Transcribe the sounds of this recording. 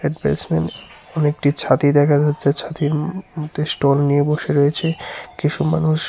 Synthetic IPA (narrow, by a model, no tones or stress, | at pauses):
ɾeʈbḛsmen | ɔnek̚ʈit͡ɕʰat̪id̪ɛkʰad͡ʑatːd͡ʑʰet͡ɕʰat̪iɾmot̪ʰːesʈolnijeboʃeɾojet͡ɕʰekit͡ɕʰuma̰nuʃ